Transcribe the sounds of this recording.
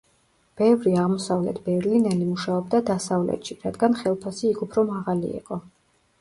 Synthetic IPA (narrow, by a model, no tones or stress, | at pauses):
b̥ɛvɾiaʁmɔsavlɛ̰t̪ʰb̥ɛɾlinɛlimuʃaɔbd̪ad̪asavlɛ̰t̪ʃiɾad̪ɡanχɛlˠpʰasiːkʰupʰɾɔmaʁalḭɛ̰qʼɔ